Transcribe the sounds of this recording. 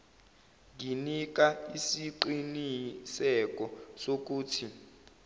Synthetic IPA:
ŋinik̬aisiǃinisɛk̬ɔsok̬uːtʰi

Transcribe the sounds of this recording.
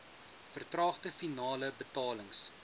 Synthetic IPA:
fərtrɑːχdəfinɑːləbətɑːləŋs

